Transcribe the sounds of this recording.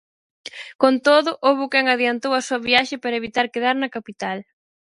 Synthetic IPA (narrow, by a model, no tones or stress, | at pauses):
kont̪oðʊʔoβʊkɛŋaðiant̪owɐsuɐβiaʃɪpaɾɐeβit̪aɾkeðaɾnɐkapit̪al